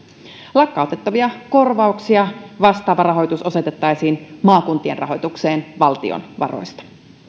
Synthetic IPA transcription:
lɑkːɑo̞t̪e̞t̪ːɑʋiɑko̞rʋɑuksiɑʋɑst̪ɑːʋɑrɑɦo̞jt̪uso̞se̞t̪e̞t̪ːɑjsiːnmɑːkunt̪ie̞nrɑ̰ɦo̞jt̪ukse̞ːnʋɑlt̪ḭo̰nʋɑ̰ro̞̰jst̪ɑ̥

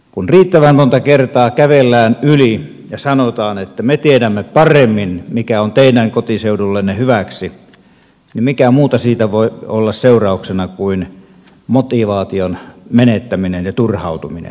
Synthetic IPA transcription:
kunriːt̪ːæʋænmont̪ɑkert̪ɑːkæʋelːæːnyli | jɑsɑnot̪ɑːnet̪ːæmet̪iedæmːepɑremːinmikæont̪eidæŋkot̪iseudulːenːehyʋæksi | nimikæmuːt̪ɑsiːt̪æʋoˑiolːɑsseurɑˑuksenɑkuin | mot̪iʋɑːt̪ionmenet̪ːæminenjɑt̪urhɑˑut̪uminḛn

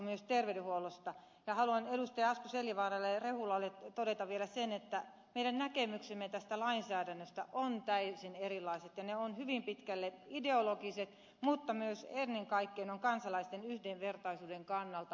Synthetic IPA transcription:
myøst̪erʋedyhuolost̪ɑ | jɑhɑluɑneɾust̪ɑjɑɑskuseljiʋɑːrɑlːerehulɑlːett̪odet̪ɑʋʋielæsenet̪ːæ | meiɾænnækemyksemːet̪æst̪ælɑinsæːɾænːøst̪æʔont̪æysinerilˑɑiset̪jɑneonhyʋimpit̪kælːeideolokiset̪ | mut̪ːɑmyøsenːeŋkɑikːeinoŋkɑnsɑlɑist̪enyhdeʋʋert̪ɑisuːdeŋkɑnːɑlt̪ɑ

